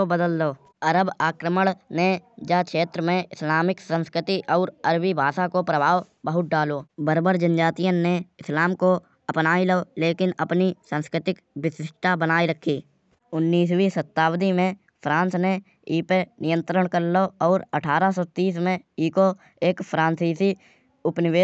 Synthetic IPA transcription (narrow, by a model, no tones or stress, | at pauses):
obəd̪əldoː | əɾəbaːkɾəməɽ̃ned͡ʒaːkʃeːt̪ɾəmẽɪslaːmɪksə̃nskɾɪt̪iʔɔːɾəɾbibʱaːsakopɾəbʱaːw | bəɦʊt̪̚ɖaːloːbəɾbəɾd͡ʒənd͡ʒaːt̪ijə̃neɪslaːmko | əpnaːiləoleːkɪnəpnisə̃ːnskɾɪt̪ɪk | ʋɪsɪʃʈ̪ʰabənaːiɾəkʰːiː | ʊnːiːswisət̪ːaːwd̪imẽ | pʰɾãːnsne | iːpenɪjə̃nt̪ɾəɽ̃kəɾloɔːɾəʈʰaːɾasɔːt̪iːsmẽ | iːko | eːkpʰɾãːnsiːsi | ʊpnɪʋeː